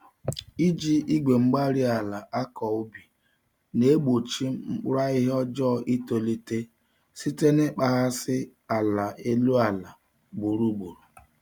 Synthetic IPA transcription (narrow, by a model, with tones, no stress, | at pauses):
i˦d͡ʒi˦ʔi˦ɡʷe˨ŋ͡m̩˦ɡ͡ba˦ɾi˦a˨la˨ʔa˦kɔ˨ʊ˦bi˨ | ne˦ɡ͡bo˨t͡ʃi˦ŋ͡m̩˦k͡pa˦ɪ˦ɦɔ˦d͡ʒɔ˦˨ʔi˦to˨li˦te˦ | si˦te˦ne˦k͡pa˦ɦa˦sɪ˦a˨la˨ʔe˦lu˦a˨la˨ | ɡ͡bu˨ɾu˦ɡ͡bu˨ɾu˨